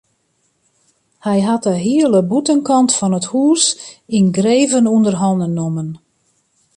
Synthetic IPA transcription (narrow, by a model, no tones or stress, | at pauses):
hɛjɦatəɦiələbutənkɑntfɔnəthuːsinɡreːvənundərɦɔndənːomən